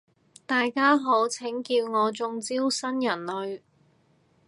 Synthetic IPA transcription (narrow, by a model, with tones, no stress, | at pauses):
t̪aː˨jkaː˥ɦo˨˥wt͡sʰɪ˨˥ŋkiː˧wŋɔː˨˧t͡sʊ˧ŋt͡siː˥wsɐ˥njɐ˨˩nlɵ˨˧ɥ